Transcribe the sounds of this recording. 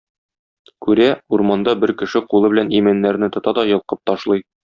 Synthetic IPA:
kʉɾæuɾmɑnd̪ɑbɘɾkɘ̆ʃɘqulˠɤbɘ̆lænimænːæɾnɘt̪ŏt̪ɑd̪ɒjɤ̆lˠqɤp̚t̪ɒʃlˠɤj

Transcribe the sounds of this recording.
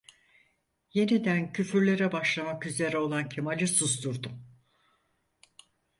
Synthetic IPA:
je̞nid̪æncʰyfyɾlʲe̞ɾɛbaʃlˠamakyze̞ɾɛolˠancʰemalʲɯsusd̪uɾd̪um

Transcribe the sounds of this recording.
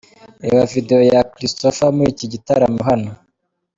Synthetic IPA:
ḛwavide̞jojakɾistofamuɾiciɟitaɾamuɦano

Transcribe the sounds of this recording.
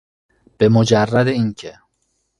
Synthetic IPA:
b̥e̞mod͡ʒærːæd̪eincʰe

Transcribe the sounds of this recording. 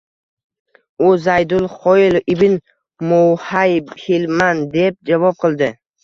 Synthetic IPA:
ʊzajd̪ʊlˠχɔjɪlɪbɪn | mowhajbhilmand̪e̞p̚d͡ʒavɒp̚qʰɨlˠd̪ɪ

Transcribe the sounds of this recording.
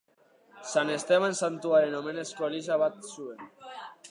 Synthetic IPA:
sanest̪eβansant̪uaɾenomeneskoeliʃ̬aβat̪̚suen

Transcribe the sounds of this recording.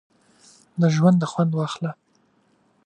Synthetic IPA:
d̪əʒwand̪ːəxwand̪wɑxla

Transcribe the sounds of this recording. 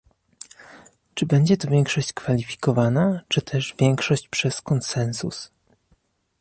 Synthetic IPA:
t͡ʂɘbɛɲd͡ʑɛt̪ɔvʲjɛŋkʂɔɕt͡ɕkfalʲifʲi̥kɔvanat͡ʂɘt̪ʰɛʐvʲjɛŋkʂɔɕt͡ɕpʂɛskɔnsɛnsṵs

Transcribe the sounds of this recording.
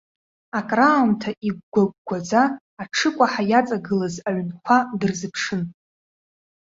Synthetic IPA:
akʼraumtʰaʔiɡʷɡʷaɡ̚ʷɡʷad͡zaː | ʈ͡ʂʰɨkʷʼaħajat͡sʼaɡɨlazaɥnkʷʰadɨrzɨpʰʂɨn

